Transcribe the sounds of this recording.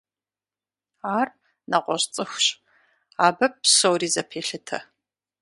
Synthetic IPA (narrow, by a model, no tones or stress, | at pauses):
aːr | nɐqʷɔɕt͡sʼɨxʷɕʼ | aːbɐp̚ɕowriːzɐpʰeːɬɨtʰɐ̰